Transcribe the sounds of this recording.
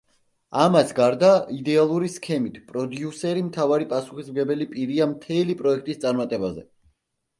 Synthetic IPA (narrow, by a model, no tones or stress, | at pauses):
amasɡaɾd̪aid̪ɛalˠuɾiskʰɛmit̪ʰpʼɾɔd̪iusɛɾimt̪ʰavaɾipʼasuχismɡɛbɛlipʼiɾiamt̪ʰɛlipʼɾɔɛkʰt̪ʼist̪sʼaɾmat̪ʼɛbazɛ̰